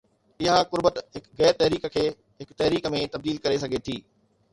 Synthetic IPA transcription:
ɪɦakʊɾbət̪ɦɪkɣɛːɾt̪ɐɦɾiːkkʰeː | ɦɪkt̪ɐɦɾiːkmẽt̪ɐb̚d̪iːlkɐɾesɐɡʱet̪ʰiː

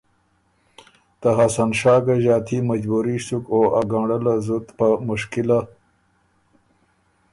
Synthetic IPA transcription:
t̪aɦasanʂɑːɡaʑɑːt̪ʰimɐd͡ʑbuɾisukoʔaɡaɖəlazut̪pamʊʂkila

